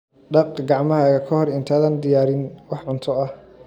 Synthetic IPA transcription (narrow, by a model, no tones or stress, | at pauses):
ɖɑqkʰɐɡɑʕmɐɦaːɣɐkʰɐhɔrɪnt̪ʰaːðaːnd̪ɪjaːɾɪnwɑħʕʊnt̪ʰɔɐh